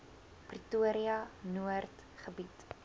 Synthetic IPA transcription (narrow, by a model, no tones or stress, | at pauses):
prituəɾiɐnuərt | χəbit